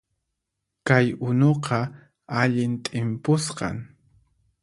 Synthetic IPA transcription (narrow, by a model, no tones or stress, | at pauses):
kajʊnoqʰɑ | aʎɪnt̪ʼɪmpʊsqɑ̰ŋ